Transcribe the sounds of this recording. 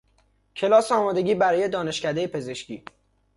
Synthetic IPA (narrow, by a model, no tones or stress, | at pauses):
cʰe̞lɒːseɒːmɒːd̪e̞ɟʲiːbæɾɒːje̞d̪ɒːne̞ʃcæd̪e̞jepʰe̞ze̞ʃcʰḭː